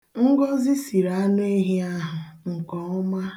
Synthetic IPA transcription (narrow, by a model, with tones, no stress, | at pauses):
ŋ̩˦ɡɔ˦zi˦si˨ɾa˨a˦n˦e˦ɦi˦a˦ɦʊ˨ŋ̩˨kɔ˨ʊ˦ma˦